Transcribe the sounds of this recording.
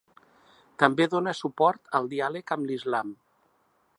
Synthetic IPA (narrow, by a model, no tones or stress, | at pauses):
t̪əmbeðonəsupɔɾt̪əlˠd̪ialəkəmlizlam